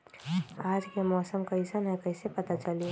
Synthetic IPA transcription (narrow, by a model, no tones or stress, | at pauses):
aːd͡ʒkemɔːsəmkɐɪsanɛkɐɪsepɐt̪at͡ʃɐlie